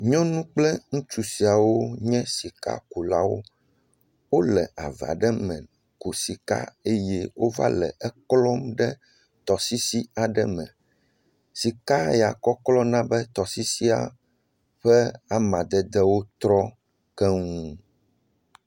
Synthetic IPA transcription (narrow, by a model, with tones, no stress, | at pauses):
ɲɔ̃˦nũ˦k͡plɛ˦ŋũ˦t͡ʃu˨si˨a˨wo˦ɲɛ̃˦si˨ka̰˦ku˨la̰˦wo̰˦ | wo˦lɛ˨ʔa̰˨va̰˨ɖɛ˦mɛ̰̃˨n | ko˨si˨ka̰˦e˦jɛ˦wo˦va̰˦lɛ̰˨ʔɛ˦klɔ˦mɖɛ˦ | t̪ɔ˨si˦si˦a˨ɖɛ˦mɛ̰̃˨ | si˨ka˦ja˨kɔ˦klɔ˦nã˦bɛ˦t̪ɔ˨si˦si˦a̰˨ | ɸɛ˦a˦mã˨d̪ɛ˦d̪ɛ˦wo˦t̪ɾɔ˦ | kɛ˦ŋũ˦